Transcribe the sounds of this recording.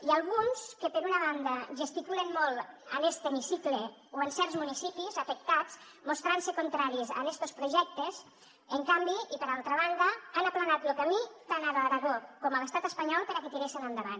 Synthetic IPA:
ialˠɣunskepeɾunaβ̞and̪aʒəst̪ikulenmɔlˠanest̪emisikleoensɛɾzmunisipizafek̚t̪at͡s | most̪ɾansekunt̪ɾaɾiza̰nest̪ospɾuʒɛk̚t̪ez | eŋkambiipeɾalˠt̪ɾaβand̪aanaplanat̪lokamit̪anaðaɾaɣokɔmalest̪at̪əspaɲɔlˠpeɾaket̪iɾesinand̪aβa̰n

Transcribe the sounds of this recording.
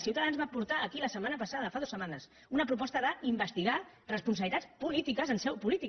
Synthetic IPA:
siuwt̪əðanzβapuɾt̪aəkiləsəmːanəpəsaðəfaðosəmanəs | unəpɾup̬ɔst̪əðəimbəst̪iɣa | rəspunsəβlit̪at͡spulit̪ikəzənsɛwpulit̪i

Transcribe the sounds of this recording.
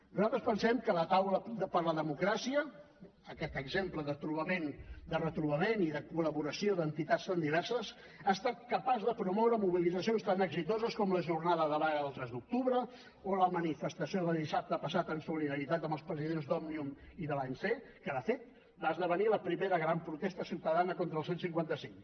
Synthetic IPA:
nuzalˠt̪ɾəspənsɛmkələt̪awləəpəɾləðəmukɾasiəː | kɛt̪əɡzempləðət̪ɾuβəmend̪ərət̪ɾuβəmeniðəkuləβuɾəsioðənt̪it̪atst̪and̪iβɛɾsəs | aːst̪at̪̚kəpazðəpɾumɔwɾəmuβilidd͡zəsionst̪anəɡzit̪ozəskɔmləʒurnaðəðəβaɣəəlˠt̪ɾɛzd̪uk̚t̪uβɾə | oləmənifəst̪əsioðəlˠðisap̚t̪əpəsat̪ənsuliðəɾit̪at̪əmbəlˠspɾəziðenzd̪ɔmniumiðəlaɲsekəðəfet̪̚ | baəzðəβəniləpɾimeɾəɣɾampɾut̪ɛst̪əsiwt̪əðanəkont̪ɾəlˠsensiŋkwant̪əsiŋ

